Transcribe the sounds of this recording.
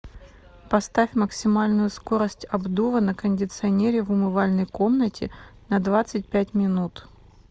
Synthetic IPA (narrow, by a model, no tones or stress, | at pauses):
pɐst̪afʲməksʲɪmalʲnʊjʊsko̞ɾəsʲtʲɐbd̪uvənəkənʲdʲɪt̪sɨɐnʲeɾʲɪvʊmɨvalʲnəjko̞mnətʲɪ̰nɐd̪vat̪sɨt̚ʲpʲætʲmʲɪnut̪